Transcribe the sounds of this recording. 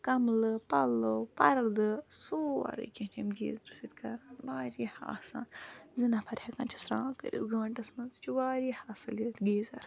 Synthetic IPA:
kɐmlɨpɐlopɐɾɐd̪ɨsoːa̰ɾɨ̰kʲẽt͡ʃɐmɡḭːzɾɨsit̪kɐɾaːnbaːɾiha̰ːsa̰ːnzinapʰɐɾʲhɐkɐːnt͡ʃʰɐsɾãːkə̰ɾḭzɡɐːɳʈɐsmɐnzt͡ʃʰuʋaːɾihaːsɨlit̪ɡiːzɐ̰ɾ

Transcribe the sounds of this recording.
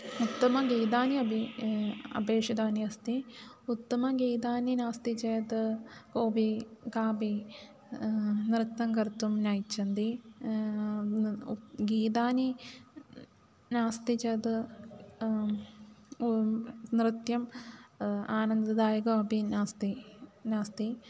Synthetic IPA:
ut̪ːɐmɐɡiːd̪aːniɐbʱi | ɐ̰beːʂid̪aːniɐst̪iut̪ːɐmɐɡiːd̪aːninaːst̪it͡ʃeːt̪ɨkoːbikaːbi | nɾɨt̪ːɐŋkɐɾt̪ːumnajt͡ʃːɐnd̪i | ɡiːd̪aːni | naːst̪it͡ʃeːt̪ɨ | nɾɨt̪jɐm | aːnɐnd̪ɐd̪aːjɐɡɐɐbinaːst̪inaːst̪i

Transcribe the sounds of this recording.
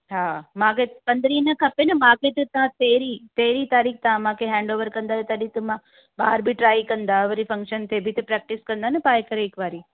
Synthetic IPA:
ɦaːmãːkʰepɐ̃nd̪ɾinɐkʰɐpenɐmãːkʰet̪ɐt̪ɐãt̪eːɾit̪eːɾit̪aːɾiːk̚ʰt̪ɐãmãːkʰeɦɛ̃ːɳɖoːʋəɾkɐ̃nd̪aet̪ɐɗit̪əmã | ɓaːɾbʱiʈɾaːikɐ̃nd̪aʋəɾifɐ̃ŋkʃənt̪ʰeːbʱit̪ɐpɾɛːk̚ʈɪskɐ̃nd̪anɐpaːjekɐɾeɪkʋaːɾi

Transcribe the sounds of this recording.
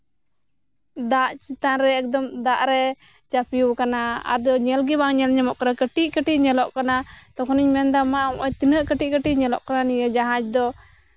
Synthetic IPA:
d̪aʔt͡ʃit̪anɾɛɛk̚d̪ɔmd̪aʔɾɛ | t͡ʃapiukanaa̰ɾd̪ɔɲɛlɡibaŋɲɛlɲɛmɔʔkaɾakəʈiʔkəʈiʔɲɛlɔʔkanat̪ɔkʰɔniɲmɛnd̪amaʔmʔɔt̪inəʔkəʈiʔ̚kəʈiʔɲɛlɔ̰ʔkananijəd͡ʒaɦãd͡ʒd̪ɔ

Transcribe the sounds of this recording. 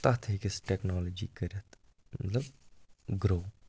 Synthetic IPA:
t̪ɐt̪ʰɦikisʈeknɔːloːd͡ʒḭkəɾɐt̪ | mɐ̰t̪lɐbɡɾoː

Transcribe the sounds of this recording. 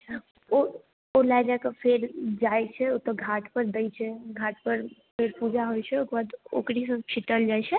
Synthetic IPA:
o | olajd͡ʒakəpʰeɾd͡ʒajt͡ʃʰɛot̪ɔɡʱaʈpəɾd̪əjt͡ʃʰɛɡʱaʈpəɾpʰeɾpud͡ʒʱaɦojt͡ʃʰɛokɾbad̪o̰kɾisə̃t͡ʃʰiʈəld͡ʒajt͡ʃʰɛ

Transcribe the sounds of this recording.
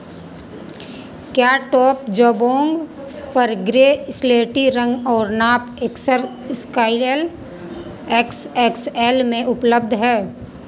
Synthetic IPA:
kjaːʈɔːp̚d͡ʒoːbõːŋɡ | pəɾɡɾeːsleːʈiɾə̃ŋɡɔːɾnaːpeksəɾskaːɪlel | eksekselmẽʔʊpləb̚d̪ʱɦɛː

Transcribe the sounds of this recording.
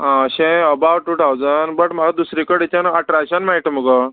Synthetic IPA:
ɦãɕẽəbaʋʈuʈawd͡zanbəʈmaɡad̪usɾikəɽit͡ɕənəʈɾaɕənmaiʈəmuɡɔ

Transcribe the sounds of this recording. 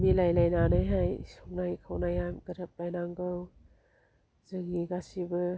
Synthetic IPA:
milajlajnanajɦajsɔwnajkʰawnajamɡɐɾap̚lajnaŋɡɯw | zɯŋiɡasibɯ

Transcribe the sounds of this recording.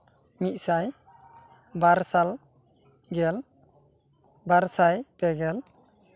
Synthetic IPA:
mit̪̚saj | baɾsal | ɡɛl | baɾsajpɛɡɛl

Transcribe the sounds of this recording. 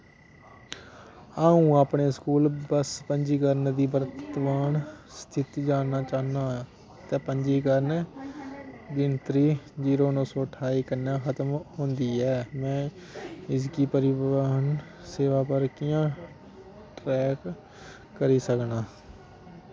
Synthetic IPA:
aːũːaːpɳeːskuːlbəspəɲd͡ʒiːkəɾnd̪iːbəɾət̪ʋaːnst̪ʰɪt̪id͡ʒaːnaːt͡ʃaːnaː | t̪ɛːpəɲd͡ʒiːkəɾn | d̪ɪnt̪ɾiːd͡ʒiːɾoːnɔ̃ːsɔːʈʰaːiːkənjãːxət̪mɦõːnd̪iːɛːmɛ̃ː | ɪskiːpəɾɪbaːən | seːʋaːpəɾkɪjãː | ʈɾɛːkː | əɾiːsəknaː

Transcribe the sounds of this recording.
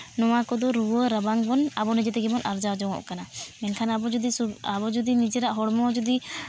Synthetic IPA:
nɔwakɔd̪ɔɾuwɔɾəbaŋbɔnabɔnid͡ʒɛt̪ɛɡɛbɔnaɾd͡ʒawd͡ʒɔŋɔ̰ʔkanaɛnkʰanabɔd͡ʒɔd̪isuabɔd͡ʒɔd̪inid͡ʒɛɾaʔɦɔɽmɔd͡ʒɔd̪i

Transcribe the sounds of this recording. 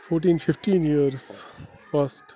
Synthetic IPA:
foːɾʈ̬ĩːnfɪfʈĩːnjiəɾs | faːsʈ

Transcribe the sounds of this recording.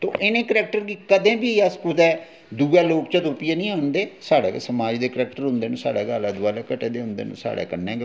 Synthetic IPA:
t̪o̰ːʔɪnẽːkəɾɛːk̚ʈəɾɡiːkəd̪ẽːbiːaːskut̪ɛː | d̪uːɛːloːkt͡ʃət̪ʊpɪjaːnĩːaːnd̪eːsaːɽḛːsəmaːd͡ʒd̪eːkəɾɛːkʈəɾɦʊ̃nd̪eːnũːsa̰ːɽɛːɡaːlaːd̪ʊaːlɛːkəʈeːd̪eːɦʊ̃nd̪ḛːnṵ̃ːsa̰ːɽɛ̰ːkənːɛ̃ːɡ

